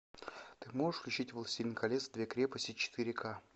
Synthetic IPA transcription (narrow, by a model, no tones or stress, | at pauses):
t̪ɨmoʐɨʂfklʲʊt͡ɕitʲvəlˠɐsʲilʲnɨjkɐlʲesvd̪vʲekɾʲepəsʲtʲɪt͡ɕɪ̥t̪ɨɾʲɪka